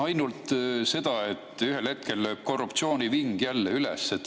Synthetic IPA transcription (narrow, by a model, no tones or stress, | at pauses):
ɑjnult̪se̞d̪̥ɑe̞t̪ːˑyɦelhe̞t̪̚ke̞løːb̥̚ko̞rːupt̪sio̞ːniviŋɡ̥jælːeylḛsːet̪ːˑ